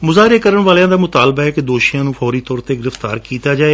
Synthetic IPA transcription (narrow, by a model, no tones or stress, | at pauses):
mʊzaːɦɾeːkəɾəɳʋaːljãːd̪aːmʊt̪aːlbaːɛːkɪd̪oːʃijãːnũːfʰɔːɾiːt̪ɔːɾt̪eːɡɪɾəft̪a̰ːɾkiːt̪aːd͡ʒaːe